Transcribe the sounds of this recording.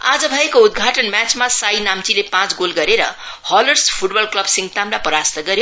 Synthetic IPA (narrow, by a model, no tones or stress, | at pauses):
a̰d͡zʌbʱʌekoud̪̚ɡʱaʈʌnmat͡smasajnamt͡silepãt͡sɡolɡʌɾeɾʌ̰ | hʌlʌrspʰuʈbʌlklʌbsiŋɡt̪amlapʌɾast̪ʌɡʌɾjo